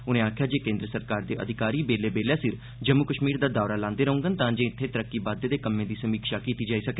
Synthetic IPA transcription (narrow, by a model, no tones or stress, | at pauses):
ʊnẽːaːkʰjaːd͡ʒeːkẽːnd̪ɾəsəɾkaːɾd̪eːʔə̰d̪ʱɪkaːɾiːbeːleːbeːljaːsɪɾ | d͡ʒəmːʊkəʃmiːɾd̪aːd̪aːɾaːlãːnd̪eːɾəɦʊ̃ŋɡənt̪ãːd͡ʒẽːɪt̪ʰːeːt̪əɾəkːiːbaːd̪eːd̪eːkəmːẽːd̪iːsəmiːkʃaːkiːt̪iːd͡ʒaːiːsəke